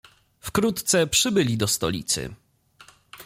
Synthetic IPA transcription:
fkɾut̪t̪sɛpʂɘbɘlʲid̪ɔst̪ɔ̰lʲḭt̪sɘ̰

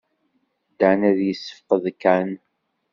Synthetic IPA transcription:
d̪anæðjəsːə̥fqəðkːæn

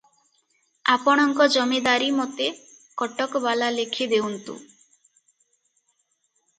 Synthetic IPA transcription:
a̰pɔɽ̃ɔŋkɔd͡ʒɔmed̪aɾimɔt̪e | kɔʈɔkɔbalalekʰid̪ewnt̪ṵ

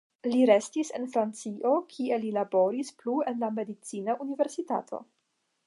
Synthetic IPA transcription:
liɾe̞stise̞̰nfɾant͡siʔo̞kʰie̞lilabo̞ɾisplue̞nlame̞dit͡sinaʔunive̞ɾsita̰tʰo̞̰

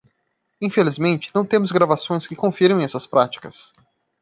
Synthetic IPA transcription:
ĩfelizmẽnt͡ʃɪ̥nɐ̃w̃t̪ẽmʊzɡɾavasõj̃skɪkõfiɾmẽj̃ɛsɐspɾat͡ʃi̥kɐs

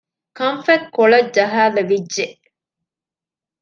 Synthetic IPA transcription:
kɐmfekkːoɭɐd͡ʒɐɦaːlɐʋidʒe

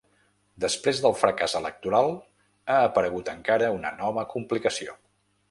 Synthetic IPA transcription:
d̪əspɾezðəlˠfɾəkazələk̚t̪uɾalˠ | aːpəɾəɣ̞ut̪əŋkaɾəunə̰nɔβəkumplikəsio̰

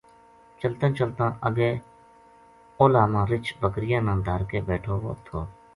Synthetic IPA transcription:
t͡ʃəlt̪ãːt͡ʃəlt̪ãːʔəɡeː | oːlaːmãːɾɪt͡ʃbəkɾɪjãːnãːd̪ʱəɾkeːbeːʈʰoːo̰t̪ʰoː

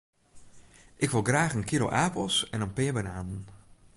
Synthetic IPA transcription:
ʔɪkʋɪlˠɡraːxənkiɾo̰ʔaːpɔsɛnənpɪəbənaːnn

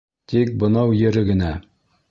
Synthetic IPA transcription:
t̪ik̚bɤ̆nɑwjɘ̆ɾɘɡɘ̆næ

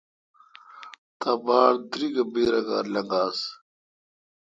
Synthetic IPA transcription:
t̪abaːɽd̪ɾiɡɐbeːɾɐɡaːɾlɐŋɡaːs

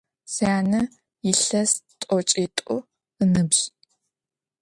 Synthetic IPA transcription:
saːnɐ | jɪɬɐstʼɔt͡ʃʼitʼʊ | ɨnɨbɕ

